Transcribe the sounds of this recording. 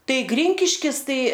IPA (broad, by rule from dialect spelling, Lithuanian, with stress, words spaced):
ˈtɐɪ ˈɡrʲɪŋʲkʲɪʃʲkʲɪs ˈtɐɪ